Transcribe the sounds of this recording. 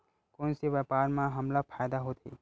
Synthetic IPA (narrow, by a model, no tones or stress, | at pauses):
koːnsiʋəpaːɾmãɦəmlapʰaːjd̪aɦoːt̪ʰḭː